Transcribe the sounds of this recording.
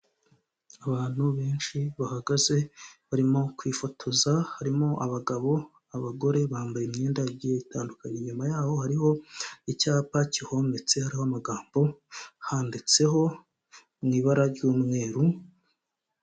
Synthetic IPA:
aβaːn̥huβe̞ːnʃiβahaɡaze̞βaɾimo̞kwiːfo̞tʰo̞zahaɾimoʔaβaɡaβo̞ | aβaɡo̞ɾe̞βaːmbajeimɲeːndaɟieitaːndukaɲeɲomajaːho̞haɾiho̞icaːpaciho̞me̞t͡se̞haɾiho̞amaɡaːmbo̞haːndit͡se̞ɦo̞ | mŋiːβaɾaɾɟuːmŋe̞ːɾu

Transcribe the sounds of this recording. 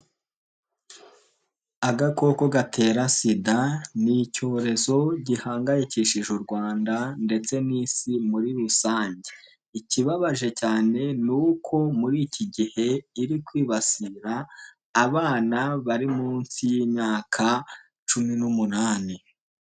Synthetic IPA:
aɡako̞ko̞ɡatʰe̞ːɾasidanico̞ːɾe̞zo̞ɟihaːŋɡajeciʃiʒuɾɡwaːndande̞t͡se̞niːsimuɾiɾusaːɲɟe̥ | iciβaβaʒe̞caːne̞nuːkʰo̞muɾiːciɟihe̞iɾikwiːβasiɾaː | βaːnaβaɾimuːnsijimɲaːkʰa | t͡ʃuminumunaːni

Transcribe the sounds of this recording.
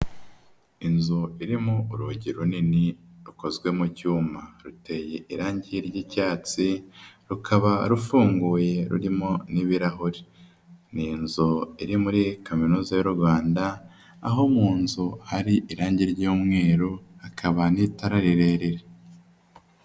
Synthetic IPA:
inzuiɾimuuɾuɟiɾuniniɾuko̞zɡwe̞mucuːmaɾute̞jeʔiɾaːɲɟiɾɟicaːt͡siɾukʰaβaɾufuːŋɡuːje̞ɾṵɾimoniβiɾaɦuɾi | ninzuiɾimuɾikaminuːzajoɾuɾɡwaːnda | a̰ɦo̞muːnzuhaɾiʔiɾaːɲɟiɾɟuːmŋe̞ːɾohakʰaβanitaɾaɾiɾe̞ːɾeɾe

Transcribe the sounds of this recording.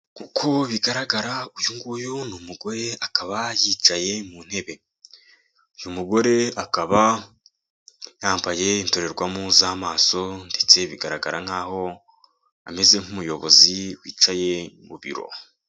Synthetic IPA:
kukʰo̞βiɡaɾaɡaɾaujuŋɡujunumuɡo̞ɾe̞akaβajiːt͡ʃaje̞mun̥he̞βe̞ | ujumuɡo̞ɾe̞akaβa | jaːmbaje̞intoɾe̞ɾɡwamuzamaːso̞nde̞t͡se̞βiɡaɾaɡa̰ɾaŋ̥aːho̞ | ame̞ze̞ŋ̥humujo̞βo̞̰ziwḭːt͡ʃaje̞mṵβḭɾo̞̰

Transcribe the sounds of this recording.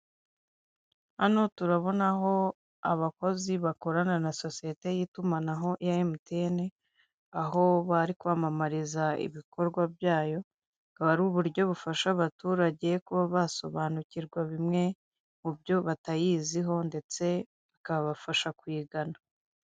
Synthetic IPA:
hano̞tuɾaβo̞naɦo̞ | aβako̞ziβako̞ɾananaso̞sije̞te̞jiːtumanaɦo̞ʔijajemutene̞ | aɦo̞βaɾikuβamamaɾizaḭβiko̞ɾɡwabjaːjo̞ | kaβaɾuβuɾɟo̞βufaʃaβatuːɾaɟe̞kuβaβaso̞βaːnuciɾɡwaβimŋe̞ | mubɟo̞βatajiːziɦo̞nde̞t͡se̞ | βakaβaβafaʃakwiːɡana

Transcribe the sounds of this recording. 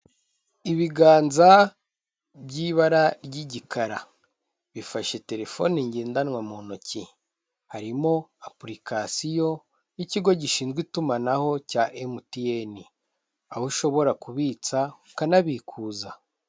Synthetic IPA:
iβiɡaːnza | bɟiβaɾaɾɟiɟikʰaɾa | βifaʃe̞te̞ɾe̞fo̞niɲɟiːndanwamonoci | haɾimo̞apuɾikasijo̞ | iciɡo̞ɟiʃiːnzɡwitumanaho̞caʔemutieni | a̰huʃo̞βo̞ɾakuβiːt͡sa | kanaβikʰuːza

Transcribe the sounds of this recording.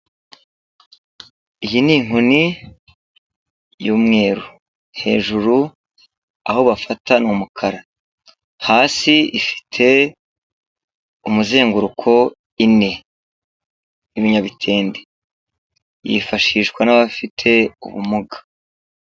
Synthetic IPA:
ijiniːŋ̥uni | juːmŋe̞ːɾu | he̞̰ːʒuɾu | a̰ho̞βafatanumukʰaɾa | haːsiifi̥tʰe̞ | umuze̞ːŋɡuɾukʰo̞ | ine̞ | niβiɲaβitʰe̞ːnde | jḭfaʃiʃɡwanaβafitʰe̞ṵβṵmuɡḁ

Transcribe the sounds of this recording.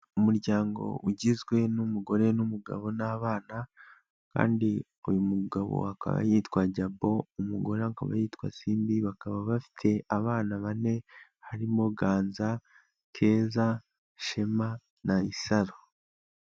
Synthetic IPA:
umuɾɟaːŋɡo̞̰ʔuɟizɡwe̞numuɡo̞ɾe̞numuɡa̰βo̞naːβaːna | ka̰ːndi | ujumuɡaβo̰hakʰa̰βa̰jiːtkwaɟabo̞umuɡo̞ɾaŋka̰βa̰jiːtwa̰siːmbiβakaβaβafi̥tʰe̞ʔaβaːnaβane̞haɾimo̞ɡaːnza | kʰe̞ːza | ʃema | naisaɾo

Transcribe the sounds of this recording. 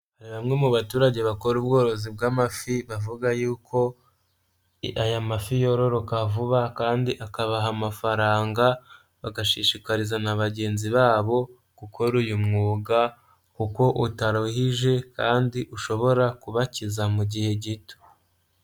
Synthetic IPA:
haɾiβamŋe̞muβatuːɾaɟe̞βako̞ɾub̚ɡo̞ːɾo̞zibɡaːmafiβavuɡajuːkʰo̞ | ajamafijo̞ɾo̞ɾokavuβakaːndiʔakaβaɦamafaɾaːŋɡa | βaɡaʃiʃikaɾizanaβaɟe̞ːnziβaːβo̞ | kukʰo̞ɾujumŋuːɡa | kuko̞ʔutaɾohiʒe̞kaːndiʔuʃo̞βo̞ɾakuβacizamuɟihe̞ɟito̥

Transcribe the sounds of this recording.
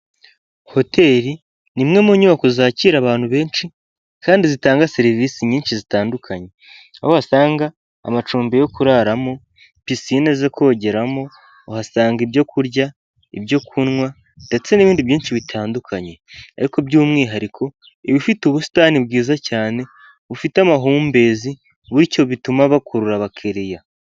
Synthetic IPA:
ho̞tʰe̞ːɾi | nimŋe̞muɲumakuzaːciɾaβaːn̥huβe̞ːnʃi | kaːndizitaːŋɡase̞ɾiviːsiɲiːnt͡ʃizitaːndukʰaɲe̞ | a̰hohasaːŋɡa̰ː | mat͡ʃuːmbe̞jo̞kuɾaɾamo̞ | pisinezekʰo̞ːɟe̞ɾamo̞ː | hasaːŋɡibjo̞kʰuɾɟa | ibjo̞kʰunŋwa | nde̞t͡se̞niβiːndiβjiːnʃiβitʰaːndukʰaɲe̞a̰ɾikobɟuːmŋiːɦaɾikʰo̞ | iβifituβusi̥taːnibɡiːzacaːne̞ | βufiteamaɦuːmbe̞ːzi | βuɾico̞βitumaβakʰuɾuɾaβakʰeɾija

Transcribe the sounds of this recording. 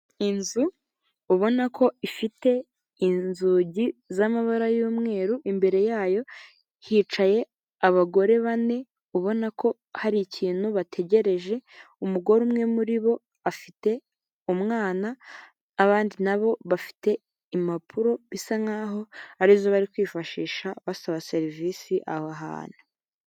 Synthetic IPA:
inzuː | βo̞nakʰo̞ifite̞ | inzuːɟizamaβaɾajuːmŋe̞ːɾuʔimbe̞ɾe̞jaːjo̞ | hiːt͡ʃaje̞ | aβaɡo̞ɾe̞βane̞ | uβo̞nakʰo̞ | haɾiciːn̥huβatʰe̞ɟeɾe̞ʒe̞ | umuɡo̞ɾumŋe̞muɾiβo̞ | afite | umŋaːnaː | βaːndinaβo̞βafi̥te̞ | imapʰuɾo̞βisaŋaɦo̞aɾizoβaɾikwiːfaʃiːʃaβasaβase̞ɾiviːsiʔa̰haɦa̰ːn̥u̥

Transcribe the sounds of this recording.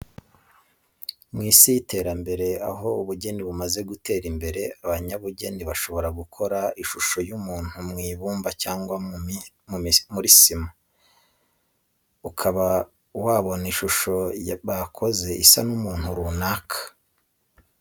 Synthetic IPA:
mŋiːsijite̞ːɾambe̞ɾe̞a̰ɦo̞uβuɟe̞niβumaze̞ɡute̞ːɾimbe̞ɾe̞aβaɲaβuɟe̞niβaʃo̞βo̞ɾaɡukʰo̞ɾaiʃuʃo̞jumuːn̥humŋiːβuːmbacaːŋɡwa | mumuɾisima | ukʰaβa | waːβo̞niʃuʃo̞βakʰo̞ze̞ʔisa̰numuːn̥huɾuːnaːkʰḁ

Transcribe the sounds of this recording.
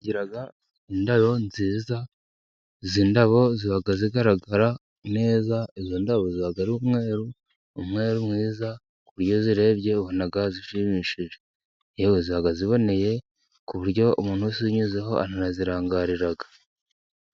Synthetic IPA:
ɟiɾaɡa | indaβo̞nziːza | zindaβo̞ziβaɡaziɡaɾaɡaɾa | ne̞ːzaezindaβo̞ziβaɡaɾuumŋe̞ːɾu | umŋe̞ːɾumŋwiːza | kuβuɾjo̞ziɾe̞ːβɟe̞βonaɡaziʃimiːʃiʒe | eweziβaɡaziβo̞ne̞je̞ | kuβuɾɟo̞umuːn̥husiɲuzeɦo̞ʔa̰naɾaziɾaːŋɡaːɾiɾaɡḁ

